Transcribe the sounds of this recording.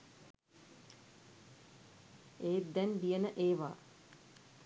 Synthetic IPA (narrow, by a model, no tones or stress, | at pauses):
eːd̪ɛnd̪ijənəʔeːʋa̰ː